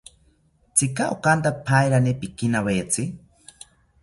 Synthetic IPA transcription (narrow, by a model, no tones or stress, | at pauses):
t͡sʰikaʔokant̪apʰajɾanepikinawajet͡sʰi